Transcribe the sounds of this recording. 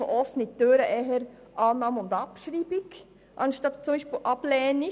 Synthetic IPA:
ʔɔfnit̪øɾəʔɛɦəɾ | ʔɑːnːɑːmʊnd̪ɑpʃɾiːbik | ʔɑnʃtɑt̚t͡sʊmbiːʃpiːlʔɑb̥lɛːnɪ

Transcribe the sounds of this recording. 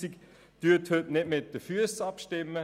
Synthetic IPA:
sik | d̥yɐthøtnɪdmɪt̚d̥əfyəsɑpʃtɪmːə

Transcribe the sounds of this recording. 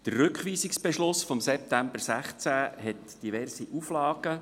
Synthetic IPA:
d̥ərːɵkχʋiːsiksb̥ɛʃlʊsfɔmsɛp̚t̪æmb̥ərsæχt͡sæɦɛt | d̥ivɛrsiʔuflɑːɡ̥ə

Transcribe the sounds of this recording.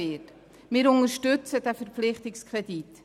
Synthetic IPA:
ɪt | mɪɾʊŋəɾʃtʏt͡sədæfəɾpflɪχtɪkskredit

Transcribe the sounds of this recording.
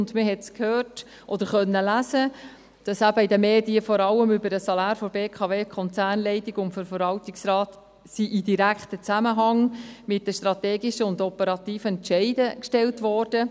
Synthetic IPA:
ndməɦɛtskʰhøːrt | ʔɔd̥̪əɾχœnːəlæzə | d̥ɑsæb̥əidəmeːdiəfɔɾɑlːəmʏbəɾəsɑlɑːɾfɔɾbeːkʰɑveːkχɔnt͡sæːrnlɛɪtiɡʊŋfɔɾfəɾvɑltɪksrɑːt | siʔɪdiɾækχtət͡sæməɦɑŋmɪt̚d̥əʃtɾɑteːɡiʃəʊndɔpəɾɑt̪iːfəɛntʃɛɪdəkʃtɛltʋɔrd̥ə

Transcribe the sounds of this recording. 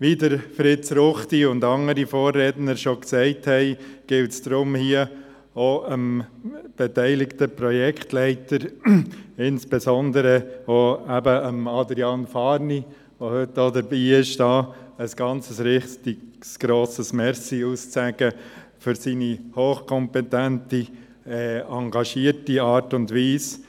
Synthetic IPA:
ʋidəɾfɾɪtt͡sɾʊχtiʊndɑŋəɾifoːrːednəɾʃoksɛɪthɛɪɡ̥ɪltsd̥ɾʊmhiə | oəmb̥ɛtɛɪlɪktəpɾɔjɛkχtlɛɪtəɾ | ɪnsb̥ezɔndəɾəoæbəəmɑdɾiɑnfɑːɾni | ʋohʏtːoːdəɾbiːɪʃd̥ɑːəsɡ̥ɑnt͡səsɾɪχtɪɡsɡ̥ɾoːsəsmɛɾsiuːst͡sæɡ̥ə | fʏɾsinihoːχkʰɔmpɛtænti | ɛːɑŋɡɑʃiːəɾtiɑːɾtʊndʋiːs

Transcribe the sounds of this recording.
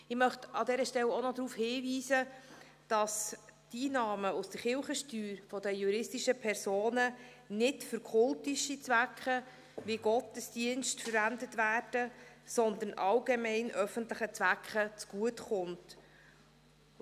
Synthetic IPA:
ɪmœχtɑd̪ɛːɾəʃtɛlonɔd̪ɾuːfhɪːviːzə | d̥ɑstiːnɑːməustəχɪlχəʃtyːɾfɔdəjuɾɪstiʃəpʰɛɾsoːnə | nɪtfʏɾkʰʊltiʃit͡svækχə | viɡ̥ɔtəsd̥iənstfəɾændətvæːrd̥əsɔnd̪ənʔɑlɡemɛɪnʔœfəntləχət͡svækχət͡sɡ̥uətχʊnt

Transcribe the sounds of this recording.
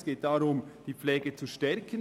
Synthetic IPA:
sɡ̥eːt̚d̥aɾʊmd̥iːp͡flɛːɡət͡suʃtɛɾkʰən

